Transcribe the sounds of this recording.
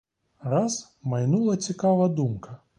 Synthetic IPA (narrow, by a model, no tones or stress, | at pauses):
ɾɑz | mɐjnulˠɐt͡sʲikɑʋɐd̪umkɐ